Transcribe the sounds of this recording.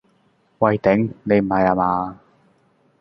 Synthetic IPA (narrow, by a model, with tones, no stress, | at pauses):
wɐ˨˧jt̪ɛ˨˥ŋne˨˧jm̩˨˩hɐ˨jaː˧maː˧